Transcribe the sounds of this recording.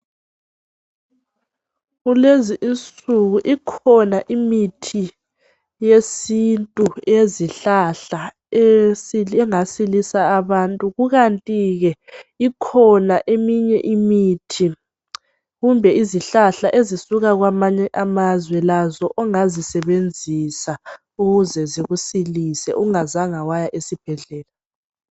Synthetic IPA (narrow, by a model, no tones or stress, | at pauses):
ɣuleziʔint͡sʼuɣuʔikʰɔnaʔimitʰi | jesintʼueziɬaɬa | esiɛŋasilisaːβantʼuɣuɣantʼiɣɛikʰɔnaʔemiɲɛʔimitʰi | ɣumbʱɛiziɬaɬaʔezisuɣaɣwamaɲɛʔamazwɛlazɔʔɔŋazisɛβend͡zʱisa | uɣuzɛziɣusilisɛ̰ʔuŋazaŋawajaʔesib̥ʱɛɮɛːla